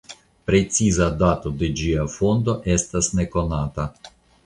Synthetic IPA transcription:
pɾe̞t͡sizadat̪o̞de̞d͡ʒiafo̞nd̪o̞ʔe̞stasne̞ko̞nata

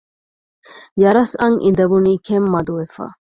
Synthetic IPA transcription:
jɐɾɐsɐŋʔid̪ɐbuniːkemːɐd̪uʋefa̰ː

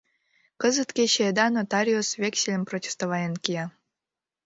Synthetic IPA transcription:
kəzət̪kʲeɕed̪ɑnot̪ɑɾʲiosvʲeksʲelʲə̆mprotʲe̥st̪oβɑjenkiɑ

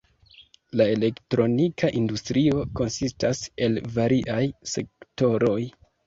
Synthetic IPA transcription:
lae̞le̞ktɾo̞nikʰaʔindustɾio̞ko̞nsistase̞lvaɾiʔajse̞̰k̚to̞ɾo̞j

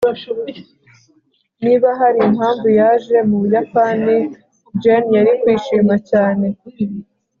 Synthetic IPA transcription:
niβaɦaɾiimhaːɱvujaːʒe̞muβujapani | d͡ʒanjaɾikwiːʃiːmacaːne̞

